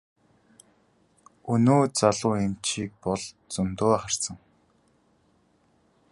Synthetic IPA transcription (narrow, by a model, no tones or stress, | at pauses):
ɵnoːt͡saɮʊːemt͡ɕiːk̚pɔɮ | t͡sɵmt̪oːχar̥sə̆ŋ